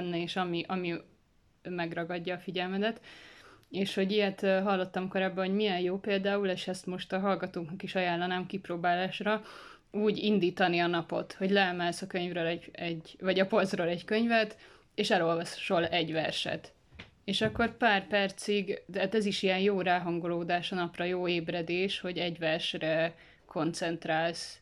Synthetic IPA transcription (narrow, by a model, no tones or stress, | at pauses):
nːɛeːʃɒmiʔɒmi | mɛɡrɒɡɒɟːɒːfiɟɛlmɛd̪ɛt̪ | eːʃho̞ɟijɛt̪ɦɒlːo̞t̪ːɒmko̞ɾaːbːɒɦo̞ɟmiɛnjoːpeːld̪aːuleːʃɛst̪mo̞ʃt̪ɒɦɒlɡɒt̪oːknɒkiʃɒjaːlːɒnaːmkiproːbaːlaːʃrɒ | uːɟind̪iːt̪ɒniɒnɒpo̞̰t̪ho̞ɟlɛɛmɛlsɒkø̞ɲvrøːlɛɟɛɟvɒɟɒpo̞lzroːlɛckøɲvɛt̪ | eːʃɛlo̞lvɒsʃo̞lɛɟʋɛrʃɛ̰t̪ | eːʃɒkːo̞rpaːrpɛrt̪siɡd̪ɛɦaːt̪ɛziʃiɛnjoːɾaːɦɒŋɡoloːd̪aːʃɒnɒprɒjoːeːbrɛd̪eːʃho̞ɟɛɟvɛrʃrɛ | kʰo̞nt̪sɛnt̪ɾaːls